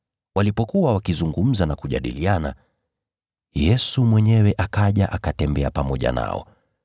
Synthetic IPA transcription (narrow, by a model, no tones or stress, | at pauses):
walipɔkuwawakizuŋɡum̩zanakuʄa̰ɗḭliana | jɛsumwɛɲɛwɛʔakaʄaʔakatɛmbɛapamɔʄa̰na̰ɔ̰